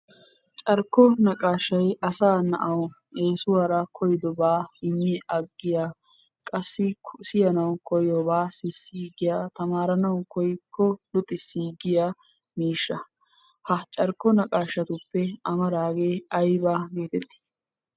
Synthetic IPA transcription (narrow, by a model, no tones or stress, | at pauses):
t͡ʃʼɐɾkːɔnɐkʼaːʃːɐjɐsaːnɐ̰ʔɐw | eːsʊwaːɾɐkʰɔjɪd̪ɔbaːɪmːiʔɐɡːɪjaː | kʼɐsːɪsɪjɐnɐwkɔjɔbaːsɪsːiːɡɪjaːt̪ɐmaːɾɐnɐwkɔjkʰːɔlʊt̪ʼːɪsːiːɡɪjaː | miːʃːɐ | hɐt͡ʃʼɐɾkːɔnɐkʼaːʃːɐt̪ʊpːɛɐmɐɾaːɡe̞ːɐjbaːɡeːt̪ɛt̪ːɪ̥